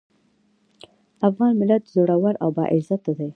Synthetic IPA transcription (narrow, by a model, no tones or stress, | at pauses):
afɣɑnmɪlat̪zoɽawaɾawbɑ̰ʔɪzat̪ːad̪aj